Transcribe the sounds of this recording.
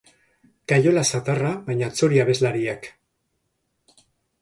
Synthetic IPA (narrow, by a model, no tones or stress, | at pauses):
kajo̞lasat̪araβajɲat͡so̞ɾiaβe̞zlaɾiak